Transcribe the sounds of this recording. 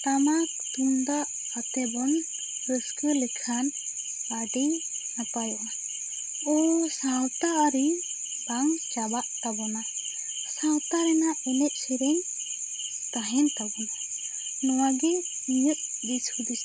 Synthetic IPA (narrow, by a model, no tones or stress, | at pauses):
t̪amak | t̪umd̪aʔ | ət̪ɛbɔn | ɾəskəlɛkʰan | baɖɛ | napajɔʔna | ɔsawt̪aʔɾi | baŋt͡ʃabaʔt̪abɔna | sãwt̪aɾɛnaɛnɛc̚ˀsiɾɛɲ | t̪aɦɛnt̪abɔna | nɔwaɡɛ | iɲəʔ̚disud̪is